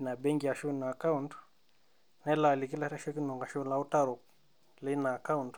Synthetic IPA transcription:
na˨be˦ŋɡa˨ʃu˦na˨ka˦unt | nɛ˦la˨li˨k̬i˦la˦ɾa˦ʃe˦ki˦nu˨ŋɡa˨ʃnla˦u˦ta˦ɾo˨k | lɪ˦na˨ka˦wnt

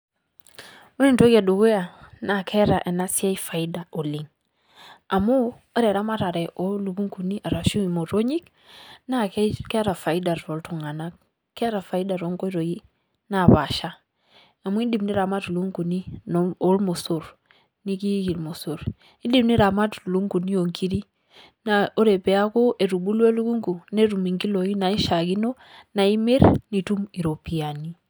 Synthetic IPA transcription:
o˦ni˦nto˦ɡa˨do˨ɡe˦ja˨na˨kʰɛ˦ɾa˨ʔɛ˨na˦si˦a˦i˦fa˨i˦da˨o˨li˨ŋ | a˨mo˦ | ɾɛ˨ɾa˦ma˦ɾa˨ɾɛ˨ʔo˦lu˨ku˦ŋku˨ni˦ʔa˨ɾa˨ʃu˦i˨mo˨ɾo˦ɲi˦k | na˦kkɛ˦ɾa˨fa˨i˦da˨ɾo˨ltu˨ŋa˨na˦ | kɛ˦ɾa˨fa˨i˦da˨ɾo˨˦ŋɡo˦i˦ɾo˨ji˦ | na˨βa˨ʃa˦ | a˨mwi˦ndi˨mni˦ɾa˨ma˦tu˨lu˦ŋɡu˨ni˦nɔɔ˦lmɔ˨so˨ɾ | ni˦ki˦ki˨lmo˨so˨ɾ | i˦ndi˦mni˦ɾa˨ma˦tu˨lu˦ŋɡu˨ni˦jɔ˨ŋkʰi˦ɾi˦ | na˨ɔ˦ɾɛ˨pɛ˨a˦kɔ˦ʔɛ˨ɾu˨ɓu˦lwɛ˦lu˦ku˦ŋɡu˨nɛ˦ɾu˨mi˨ŋɡi˦lɔ˨i˦na˨i˦ʃa˨ɣi˦nɔ˦ | na˨i˦me˦ɾni˨tu˦mi˨ɾɔ˨pi˨a˨ni˦

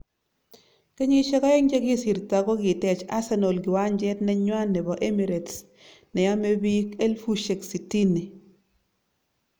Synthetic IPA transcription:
ke˦ɲi˦ʃɛ˦kɔ˦ɛ˦ŋd͡ʒe˦kɪ˦si˨ɾta˨ɡɔ˦kɪ˨tɛ˨t͡ʃa̰˦sɛ˦no˨lɡɪ˨wa˦ɲd͡ʒɛ˦tnɛ˦ɲwa˦nːɛ˨bɔ˨ʔe˦mi˨ɾe˨ts | nɛ˨ja˦me˦bi˦ke˦lfu˦ʃe˨ksi˨ti˦ni˨

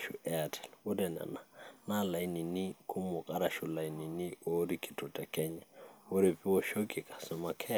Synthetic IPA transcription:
ʃuʔɛatʰɛ̥˨lwu˦dɛ˨na̰˨na˨nala˨jni˨ni˦kʰu˦mɔ˨kʼa˦ɾa˨ʃula˨jni˨ni˦o˦ɾi˦ki̥˨tutɛ˨kɛ˦ɲa˨wu˦ɾi˨pi˦wɔʃo˦ɡi˨kʼḁ˨sɔma˨kʰɛ˦

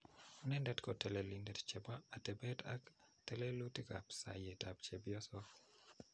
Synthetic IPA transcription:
nɛ˦ndɛ˦tkɔ˨tɛ˨lɛ˨li˨ndɛtt͡ʃɛ˨ba˦a˨tɛ˨bɛ˦ta̰˦ktɛ˦lɛ˦lu˦ti˦ka̰˨psa̰˨je˨ta˨p̚t͡ʃe˨bjɔ˦sɔ

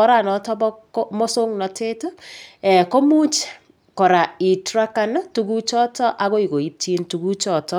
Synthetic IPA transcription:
ɔ˦ɾa˨nɔ˨tɔ˦bɔ˦kmɔ˦so˦ŋnɔ˨te˦to˦ɛ˨ko˦mu˦t͡ʃ | kɔ˨ɾa˨i˨tɾa˦ka˦na˦tu˦ku˦t͡ʃɔ˦tɔ˦ʔa˨ɣo˦i˨ko˨i˦ti˦ntu˨ku˦t͡ʃɔ˨tɔ˦

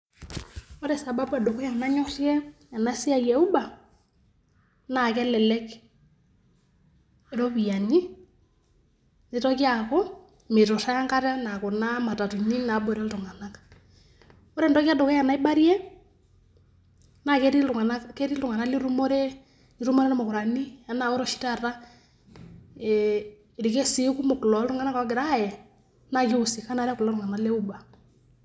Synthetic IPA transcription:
ɔ˦ɾɛ˨sa˨ba˦ba˨dɔ˨kɔ˦ja˨na˦ɲɔ˦ɾjɛ˦ | a˨na˦si˦a˦˨jɛ˨u˦ba˨ | na˨kɛ˦lɛ˨lɛ˦k | ɾo˦pi˨ja˨ni˦ | ni˦tɔ˦ki˦a˨kɔ˦ | me˨tɔ˨ɾa˦a˦ŋka˦ɾa˦na˨ko˨na˦ma˨ta˨tu˨ɲi˦na˨˦bo˨ɾɛ˦ltʊ˨ŋa˨na˦k | ɔ˦ɾe˦˨ndɔ˦ki˦a˦dɔ˨kɛ˦a˨na˦i˦ba˦ɾi˦ɛ˦ | na˨ke˦ɾi˦u˨ŋa˨na˦ke˦ɾi˦ltu˨ŋa˨na˦li˦ɾu˦mo˦ɾe˦ | li˨ɾu˦m˦ɾɛ˦na˦mo˨ku˨ɾa˨ni˦a˦na˨o˦ɾɔ˨ʃi̥˦ta˦˨ɾa˦˨ | ɾi˨ke˦si˦ku˦mo˨ku˨lɔ˨˦ltu˦ŋa˦na˦kɔ˨˦ɡɪ˨ɾa˦˨jɛ˨ | na˦˨ki˦u˨si˨ka˦na˨ɾa˦ku˨lɔ˦ɾu˨ŋa˨na˦le˦u˦ba˨

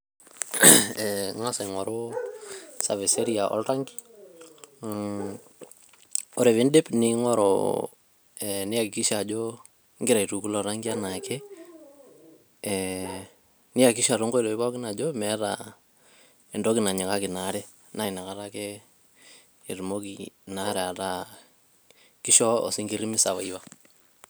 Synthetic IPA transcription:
ɛŋa˦sa˨ŋɔ˨ɾo˦ | sa̰˨vɪ˨se˦ɾiaʔɔ̰˦lɾa˦ŋɡi̥˦ | ɔ˦ɾe˨βɪ˦nde˦pnɪ˦ŋɔ˦ɾɔ̰ | ɛnɪ˦ja˨kɪ˨ki˦ʃa˨d͡ʒo | ŋɡɪ˦ɾa˨itu˨ku˦lɔ˨ɾaŋɡi˦a˦na˨kɛ˦ | nɪ˦ja˨ki˦ʃa˨ɾo˦ŋɡo˦i˨dɔ˨i˦βa˦kɪ˦na˨d͡ʒomɛ˦ɾa̰ | i˨ndɔ˦kɪ˨na˨ɲɪ˨ka˦kɪ˨naɾɛ˦ | na˦i˨na˨ka˦ɾa˦ke˦˨ | ɾmo˦kina˦ɾɛ˨a˨ta˦ | ki˦ʃɔ˦ɔ̰˨si˦ŋɡi˦ɾi˦mɪ˦sa˨βa˨iβa˦

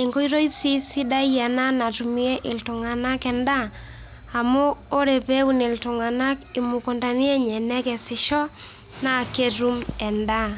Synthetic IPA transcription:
e˨ŋɡo˦i˦ɾo˦i˦si˦si˦da˦i˦ja˨na˦na˨tu˨mi˦e˦ʔɪ˨ltʊ˨ŋa˨na˦kɛ˨ndaː˦˨ | moː˦ɾe˨pe˦u˦nɪ˨ltʊ˨ŋa˨na˦kɪ˨mu˨ko˨nda˨ni˦ɛ˦ɲɛ˨nɛ˦kɛ˨sɪ˨ʃɔ˦ | na˦˨ke˦ɾu˦mɛ˨nda˦

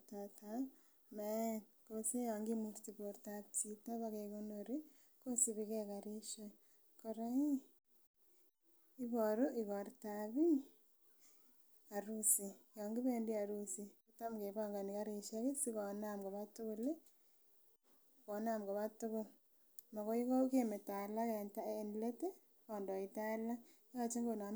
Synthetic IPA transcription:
tata | me˨ | kose˦ja˨ŋɡimuɾtiβo˨ɾtatita˦βaɣe˨ɣo˦noɾi˦ | ko˦si˦βiɣeɣaɾe˦ʃe˦ | koɾai˦ | i˦βo˨ɾo˦ʔiɣo˨ɾtaβi˦ | aɾusi˨jɔ˨ŋɡi˦βendi˦a˨ɾu˦si˨ku˦ta˦mke˨βa˦ŋɡa˨ni˨ka˦ɾi˨ʃa˦ke˦si˦kɔ˨namɡɔ˨βa˦tu˦ku˦le˦ | kɔ˨na˦˨mɡɔ˨βa˦tu˦ɣʊ˦ | ma˨kɔ˦i˦kɔ˦ke˦me˨ta˨la˦kɛ˨nta˦˨nle˦te˦ | ɔ˨ndɔ˨i˨ta˦la˦jɔ˦t͡ʃe˦ŋɡo˨na˨

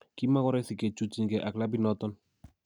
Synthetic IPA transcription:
ki˦ma˦kɔ˦ɾɛ˦si˨ke˨t͡ʃu˦t͡ʃi˦ŋkɛ˨ʔa˨kla˦bi˦nɔ˦t̪ɔ˦n

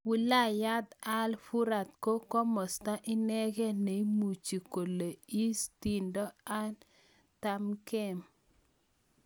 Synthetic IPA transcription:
wu˨la˦˨ja˦d̪a˦lfu˦ɾa˨t̪̚ko˦kɔ˦mɔ˨sta˦ʔɪ˦nɛ˦ɡɛ˦ne˨i˦mu˨t͡ʃi˨ko˨le˨i˦sti˨ndɔ˦a˦n | ta˦mkɛ˦˨m

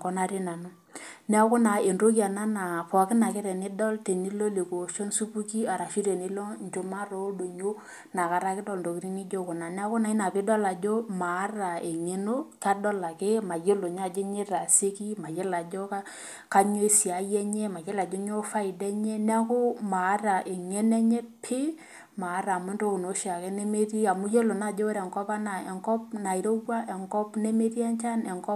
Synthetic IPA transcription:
kɔ˦na˦ɾi˦na˨no˦ | ni˦a˦kʊ˦na˨e˨nɾo˦k̬a˨na˦na˨pɔ˨kɪ˦na˨kɪ˦ɾɛ˨nɪ˦dɔ˦lte˨ni˦lo˦le˨ko˨ʃo˦nsu˦pu˦ki˦a˨ɾa˨fi˦ɾe˨ni˦lo˦ɲd͡ʒo˦ma˦ɾo˨˦do˨ɲo˦ | na˨ka˨ɾa˦kɪ˦dɔ˦lndo˨ki˦ɾi˦ni˦d͡ʒo˦kʊ˨na˨ni˦a˦kʊ˦na˨i˦na˨pɪ˦dɔ˦la˨d͡ʒo˦ma˨˦ra˨e˨ŋe˨no˦ka˦dɔ˦la˨ke˦ma˨je˦lo˨ɲ˦a˦˨d͡ʒo˦ɲe˦ɾa˨se˦ki˦ma˨je˦la˨d͡ʒo˦ka˦ | ka˦ɲo˦i˦si˨a˨jɛ˦ɲɛ˦ma˨je˦la˨d͡ʒo˦ɲo˦fa˦i˨dɛ˦ɲɛ˦n˦a˦kʊ˦ma˨˦ra˨ʔe˨ŋe˦nɛ˦ɲɛ˦pʰɪ˦ | maː˨˦ɾaː˨m˦e˦ndo˦ku˨no˨˦ʃa˨kɛ˦ne˦me˦ɾi˦a˨mu˦je˦lo˨na˦˨d͡ʒo˦ɾɛ˨ŋkɔ˦pa˦na˨ɛ˨ŋkɔ˦pna˨i˨ɾo˦wwa˦ʔɛ˨ŋkɔ˦pne˦me˦ɾi˦ɛ˦nt͡ʃa˦nɛ˨ŋkɔ˦

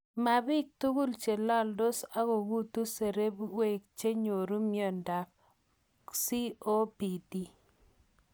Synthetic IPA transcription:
ma˨bɪ˦k̚t̪u˦ku˦lt͡ʃe˨la˦ldo˦sa˦ko˨bu˦t̪u˦se˨ɾe˦bwe˦˨k̚t͡ʃe˦ɲo˨ɾu˦mjɔ˦˨nda˨p̚ | si˦o˦pi˨ti˦

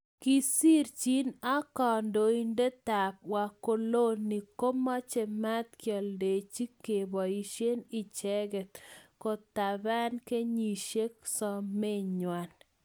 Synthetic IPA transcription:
ki˦si˦ɾt͡ʃi˦na˦kɔ˨ndo˨i˦nde˦t̪a˨p̚wa˨ko˨lo˦nːi˨ko˦mɔ˦t͡ʃe˨ma˦t̪kjɔ˨lde˨t͡ʃi˦ke˨bɔ˨i˨ʃje˦ni˨t͡ʃɛ˦ɡɛ˨t̪kɔ˨t̪a˨ba˦nke˦ɲi˨ʃe˦ksɔ˦me˦ɲwa˨n

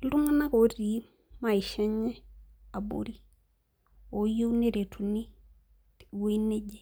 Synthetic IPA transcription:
lu˦ŋa˦na˦ko˨ɾi˨˦ | ma˨i˨ʃɛ˦ɲɛ˦a˨bo̰˦ɾi˦ | o˨jo˦u˦ne˦ɾe˨tʰu˨ni˦ | we˦ne˦ɟe˨

